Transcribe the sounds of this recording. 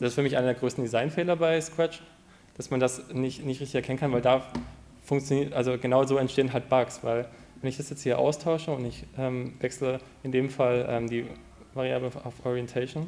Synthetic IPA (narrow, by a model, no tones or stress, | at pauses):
d̥asɪstfyːɐmɪçʔaɪnɐdeɐɡʁøːstn̩dizaɪnfɛːlɐbaɪskʁ̥ɛt͡ʃ | d̥asmandasnɪçtnɪçtʁɪçtɪçɛɐkʰɛnənkʰanvaɪldaː | fʊŋkt͡sjoniːɐtʔalzoɡənaʊzoːɛntʃteːənɦalt̚b̥aksv̥a̰ɪl | vɛnɪçd̥asjɛt͡sthiːɐʔa̰ʊstʰaʊʃəʊntɪçʔɛːmvɛkslə | ɪndeːmfalʔɛ̰ːmdiː | vaʁiaːbləa̰ʊfʔɔʁiɛntʰaɪʃon